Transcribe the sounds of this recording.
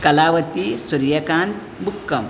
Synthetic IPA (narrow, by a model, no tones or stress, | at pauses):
kɐlaːʋɐt̪isuɾjɐkaːnt̪ | bukːɐm